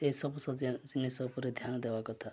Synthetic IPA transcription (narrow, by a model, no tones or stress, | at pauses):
eisɔbɔsɔd͡ʒinisɔbuɾed̪ʱjanɔd̪ebakɔt̪ʰa